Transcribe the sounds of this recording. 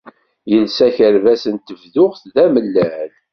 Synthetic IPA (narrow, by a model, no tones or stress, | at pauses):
jəlsæçəɾvæsənt̪əvðʊʁθðæməlːæð